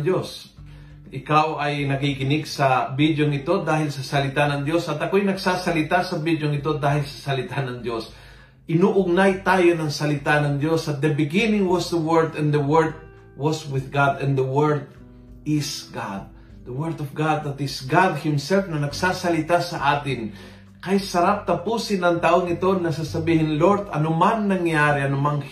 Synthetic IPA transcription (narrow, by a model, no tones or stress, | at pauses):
d̪jos | ʔɪkawɐjnɐkikɪnɪɡsɐbid̪joŋɪt̪o̞d̪aːhɪlsɐsɐlɪt̪anɐŋd̪jo̞sɐt̪ɐkoajnɐɡsaːsɐlɪt̪asɐbid̪joŋɪt̪̬o̞d̪aːhɪlsɐ̥sɐlɪt̪anɐŋd̪jo̞s | ʔɪnuːʔʊɡnajt̪aːjonɐŋsɐlɪt̪anɐŋd̪jo̞sɐt̪̚d̪ɐbɪɡɪnɪ̃ŋwɐsd̪əwɛɹd̪ɛ̃nd̪əwɛɹd̪̚ | wɔswɪðɡad̪ɛ̃nd̪əwɛɹd̪̚ | ɪsɡad̪̚ː | əwɛɾd̪ɔfɡad̪ɐt̪ɪsɡad̪̚hɪmsɛlfnɐnɐɡsaːsɐlɪt̪asɐʔaːt̪ɪŋ | kɐjsɐɾap̚t̪ɐpuːsɪnɐŋt̪ɐʔoŋɪt̪o̞nɐsasɐbiːhɪnloɾd̪ɐ̰nʊmannɐŋjaɾɪɐnʊmaŋ